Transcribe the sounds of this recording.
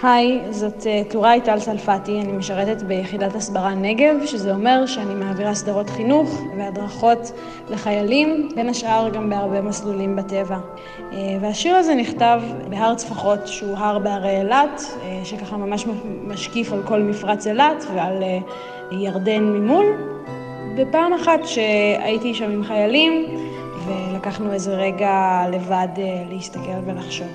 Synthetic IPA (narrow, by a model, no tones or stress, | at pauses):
hajzo̞tetuʁaajt̪alsalfatianimeʃaʁe̞tetbejeχidatasbaʁane̞ɡe̞vʃezeo̞me̞ʁʃeanimaːviʁasdaʁo̞tχinuχveadʁaχo̞t | leχajalimbe̞naʃʔaʁɡambeaʁbe̞maslulimbate̞va | veaʃiʁazeniχtavbeɦaʁt͡sfaχo̞tʃeuɦaʁbeaʁeelat | ʃekaχamamaʃmaʃkifalko̞lmifʁat͡selatveal | jaʁdenmimul | bepaːmaχatʃea̰itiʃamimχajalim | velakaχnue̞zeʁe̞ɡale̞vadlehist̪ake̞lvelaχʃo̞v